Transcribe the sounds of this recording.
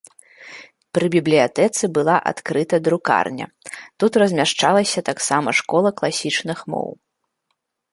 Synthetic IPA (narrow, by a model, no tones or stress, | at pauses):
pɾɨbʲiblʲijat̪ɛt̪sɨbɨlˠaʔa̰t̪kɾɨt̪ɐd̪ɾuka̰rnʲɐ̰t̪ut̪rɐzʲmʲaʂt͡ʂalˠɐsʲɐt̪aksamɐʂkɔlˠɐklˠasʲit͡ʂnɨxmɔ̰w